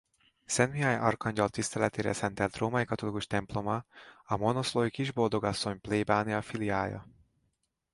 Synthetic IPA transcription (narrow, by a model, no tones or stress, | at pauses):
sɛnmiajɒ̰rkɒɲɟɒlt̪ist̪ɛlɛt̪eːɾɛ̰sɛnt̪ɛlt̪roːmɒikɒt̪o̞likuʃt̪ɛmplo̞mɒɒmo̞nosloːikiʒbo̞ld̪o̞ɡɒsːo̞ɲpleːbaːniɒfiliaːjɒ̰